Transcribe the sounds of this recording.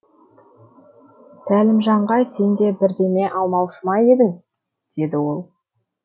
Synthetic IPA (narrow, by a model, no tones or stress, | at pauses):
sælɪmʒɑɴʁɑjse̞nd̪e̞bɪɾd̪e̞me̞ʔɑlˠmɑwʃəmɑje̞d̪ɪŋ | d̪̥e̞d̪ɪwo̞lˠ